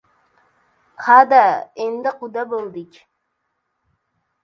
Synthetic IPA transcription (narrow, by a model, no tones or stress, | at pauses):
had̪aend̪ɪqʊd̪abolˠd̪ɪkʲ